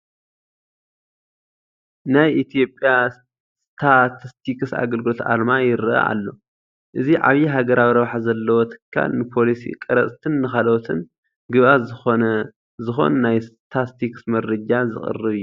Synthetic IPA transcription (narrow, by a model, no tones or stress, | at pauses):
najʔit̪ʰijo̞pʼja | st̪ʰat̪ʰist̪ʰikɨsa̰ɡɐlɡɨlo̞t̪ʔa̰lmajɪɾɨʔɐ̰ʔa̰lːo̞ | ʔɨziʕa̰βiɦaɡɐɾawiɾɐβħazɐlːɐwot̪ʰɨ̥kʰːa̰lnɨpʰo̞lisḭkʼɐɾɐt͡sʼt̪ʰɨnːɨxalot̪ʰɨn | ɡɨβʔazɨxo | zɨxo̞̰nnajst̪ʰast̪ʰiksmɐɾɐd͡ʒazɨ̰χʼɨ̰rɨβijːu